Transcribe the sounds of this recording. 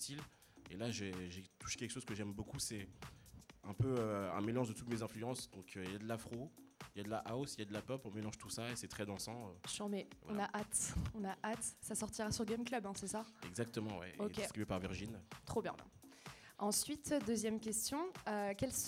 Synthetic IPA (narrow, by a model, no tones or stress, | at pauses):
t̪ʰil | elaʒeʒet̪u̥ʃe̥kʲɛlkəʃozkəʒɛmbokusɛ | ɛ̰̃pøøɛ̰̃melɑ̃ʒd̪ət̪ut̪mezɛ̃flyɑ̃sd̪ɔ̃kʰøiljad̪əlafχoiljad̪əlaʔaosiljad̪əlapɔpɔ̃melɑ̃ʒt̪usaesɛt̪χɛd̪ɑ̃sɑ̃øʃɔmɛɔ̃naʔat̪ɔ̃naʔat̪sasɔʁt̪iʁasyʁɡʲɛmklœbɛ̃sɛsaɛ̰ɡzak̚t̪əmɑ̃wɛ̰d̪ʲeet̪χibepaʁviʁʒint̪χobjɛ̰̃ | ɑ̃sɥit̪d̪øzjɛmkʲɛst̪jɔ̃økʲɛls